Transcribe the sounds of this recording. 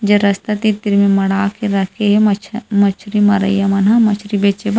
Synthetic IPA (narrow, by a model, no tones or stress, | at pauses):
d͡ʒɐɾɐst̪ɐt̪it̪iɾmẽmɐɽaːkeɾɐkʰeɦemɐt͡ʃʰɾimɐɾə̰jamɐnamɐt͡ʃʰɾibeːt͡ʃeba